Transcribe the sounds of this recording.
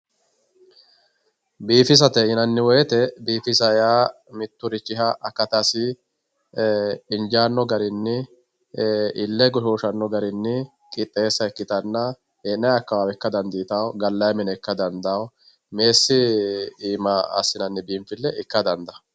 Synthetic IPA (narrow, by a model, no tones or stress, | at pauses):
biːfɪs̬ɐt̪ɛɪnɐnːɪwɔjɛt̪ɛbiːfɪsɐjaː | mɪt̪ːʊɾɪt͡ʃːɪɦɐʔɐkːɐt̪ɐsɪ | ɪnd͡ʒaːnːɔɡɐɾɪnːɪ | ɪlːɛɡɔʃoːʃɐnːɔɡɐɾɪnːɪ | kʼɪt̪ʼːeːsːɐɛkːɪt̪ɐnːɐ | eːnːɐjɐkːɐwaːwɛkːɐd̪ɐnd̪iːt̪ɐwɡɐlːɐjɐmɪnɛɛkːɐd̪ɐnd̪ɐw | me̞ːsːɪiːmɐɐ̰sːɪnɐnːɪbiːmfɪlːɛʔɪkːɐd̪ɐnd̪ɐ